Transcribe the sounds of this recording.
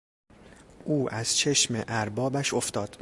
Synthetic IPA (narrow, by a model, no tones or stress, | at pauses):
ʔuːʔæz̥t͡ʃʰe̞ʃmḛʔæɾbɒːbæʃo̞ft̪ɒːd̪̥